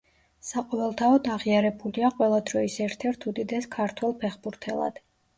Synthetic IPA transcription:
saqʼɔvɛlˠt̪ʰaɔd̪aʁiaɾɛbuliaqʼwɛlˠad̪ɾɔisɛɾt̪ʰɛɾt̪ʰud̪id̪ɛskʰaɾt̪ʰwɛlˠpʰɛχbuɾt̪ʰɛlˠa̰d̪̥

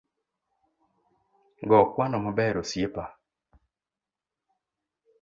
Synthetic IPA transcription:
ɡɔkwanɔmɔbɛɾosjepa

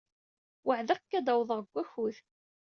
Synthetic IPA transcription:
wəʕðəqkːæd̪ɑwðˤəʁəɡʷːæçuθ

